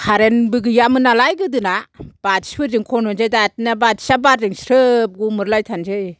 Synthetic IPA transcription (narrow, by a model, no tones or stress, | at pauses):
kʰaɾenbɯɡɯjamɯnalajɡɯdɯnab̥ati̥sbɯɾd͡ʒɯŋkʰɔnɔnzɯjdat̚nabati̥sabaɾdɯŋsɾɯp̚ɡumɯɾlajtʰanzɯj